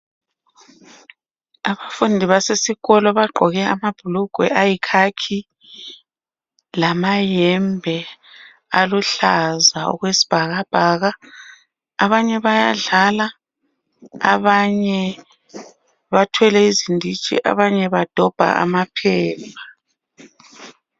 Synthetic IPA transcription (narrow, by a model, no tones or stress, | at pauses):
aβafundʱiβasesiɣɔlɔβaɡ͡ǃʱɔɣɛamab̥ʱuluɡ̥ʱwɛ̰ʔajikʰakʰi | lamajɛmbʱɛ | aluɬazaɔ̰ɣwesi̥b̥ʱaɣab̥ʱaːɣaː | βaɲɛβajaɮala | βaɲɛ | βatʰwɛlɛizindʱit͡ʃʼḭʔa̰βaɲɛβad̥ʱɔb̥ʱa̰ʔa̰mapʰɛːpʰḁ